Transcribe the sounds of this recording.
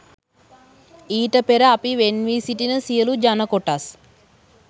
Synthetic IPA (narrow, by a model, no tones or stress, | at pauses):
iːʈəpeɾəapiʋenʋiːsiʈinəsijəlud͡ʒanəkoʈas